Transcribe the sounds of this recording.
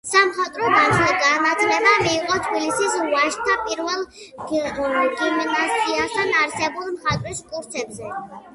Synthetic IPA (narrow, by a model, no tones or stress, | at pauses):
samχat̪ʼɾɔd̪at͡ʃʰlɛɡanat̪ʰlɛbamiːqʼɔt̪ʰbilisisvaʃt̪ʰːapʼiɾvɛlˠ | ɡimnasʰʼiast̪ʰanaɾsɛbulˠmχat̪ʼɾiskʼuɾt̪sʰɛbzɛ